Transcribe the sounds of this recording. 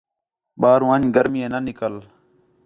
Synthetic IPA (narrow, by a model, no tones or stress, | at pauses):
ɓaːɾũaːɲɡəɾmieːnənɪkəl